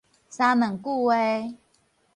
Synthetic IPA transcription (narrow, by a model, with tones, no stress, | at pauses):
sa˦mə˨ŋku˥˧e˦